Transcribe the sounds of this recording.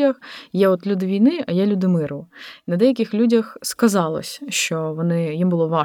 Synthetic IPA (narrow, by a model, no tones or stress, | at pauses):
ɐxjɛɔt̪lʲud̪ɪʋʲijnɪɐjɛlʲud̪ɪmɪɾʊnɐd̪ɛjɐk̬ʲɪxlʲudʲɐxskɐzɑlˠɔ̰sʲʃt͡ʃɔʋɔnɪjimbʊlˠɔʋɑ